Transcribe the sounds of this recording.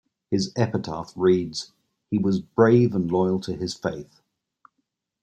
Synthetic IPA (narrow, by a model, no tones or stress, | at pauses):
hɪzɛpətʰɑ̰ˑθɹiːdz̥ | hiwɒzbɹeɪvə̃nlɔɪəlˠtʰəɪz̥feɪθ